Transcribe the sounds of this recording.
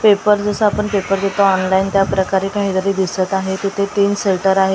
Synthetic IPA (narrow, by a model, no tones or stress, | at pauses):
pepəɾd͡zəsəapəɳpepəɾd̪et̪oɔnlaint̪japɾəkaɾekaɦid̪əɾiːd̪isət̪aɦet̪it̪ʰet̪iːnselʈəɾaɦe